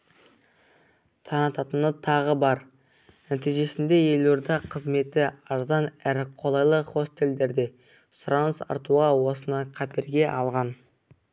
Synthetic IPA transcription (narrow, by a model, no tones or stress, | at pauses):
t̪ʰɑnət̪ɑt̪ənət̪ʰɑʁəbɑɾ | næt̪ijʒe̞sɪnd̪e̞je̞loɾd̪ɑqʰəzme̞t̪ɪɑɾzɑnæɾɪqʰo̞lˠɑjlˠəχo̞st̪e̞ld̪e̞ɾd̪e̞ | sʊɾɑnsɑ̰ɾt̪uʁɑwo̞sənɑjqʰɑt̪e̞ɾɡʲe̞ʔɑlˠʁɑn